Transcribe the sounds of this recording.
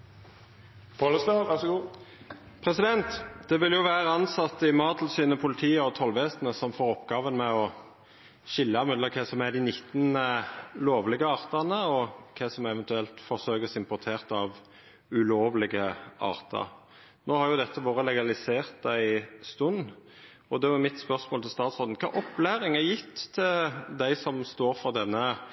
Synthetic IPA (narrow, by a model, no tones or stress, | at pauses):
pʰɑləsnɑʋæʁsɡuː | pʰʁɛsɪd̪ɛnt̪d̪̥ɛʋɪljʊʋæːʁəɑnsɑt̪ːɪmɑːd̪l̩siːnəpʰʊlɪt̪ʰiːəɔt̪ʰɔlʋɛːsnəsɔmfoːʁɔpɡɑːʋənmɛɔ | ʃɪlːɑmʏd̪əkʰɛsɔmæd̪ɪnɪt̪ːnəloːʋlɪɡəɑːʁt̪ɑʁnəɔkʰɛsɔmɛʋɛnt̪ʉɛlt̪fɔʁsøːkəsɪmpʊt̪ʰeːʁt̪ɑʋ | ʉloːʋlɪɡəɑ̰ːʁt̪ʰə̰ɾ | noːhɑɾjʊd̪ɛt̪ʰːəʋoːɾəlɛɡɑlɪseːʁt̪̚d̪æɪst̪ʉn | ɔd̪ɛʋɛmɪt̪spœʁsmoːlt̪ʰɪlst̪ɑːt̪sʁɔld̪n̩kʰɑ̰ːʔɔpːlæːɾɪŋæɾjɪt̪ːt̪ʰːɪld̪æɪsɔmst̪oːɾfɔʁd̪ɛnːə